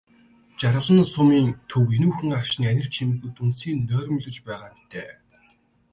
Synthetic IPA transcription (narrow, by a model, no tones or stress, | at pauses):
t͡ɕaɾə̆ɮə̆nsʊmiːnt̪ʰɵwenuːxɘ̆ŋaʃniːænʲɪ̆r̥t͡ɕʰimɘ̆xɘ̆t̪unsiːnːœːɾʲmɵɮʲɵ̆t͡ɕpæːʁaːmi̥t̪eː